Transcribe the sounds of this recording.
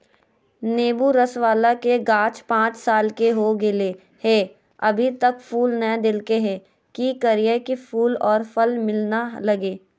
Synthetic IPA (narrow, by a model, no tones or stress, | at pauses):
neːbuɾɐsʋaːlakeɡãːt͡ʃpãːt͡ʃsaːlkeɦoɡɪle | hɛ | ɐbʱit̪ɐkfuːlnɐd̪ɪlkeɦɛː | kikəɾijəkifʰuːlɔːɾfəlmɪlnalɐɡeː